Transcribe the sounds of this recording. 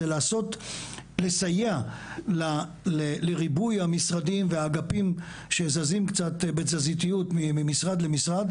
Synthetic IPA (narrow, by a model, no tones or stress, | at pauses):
elaːso̞tlesajeala | leleʁibujhamisʁadimveaɡapim | ʃezazimkt͡sat̪bezazit̪ijutmimimisʁad̪lemisʁad̪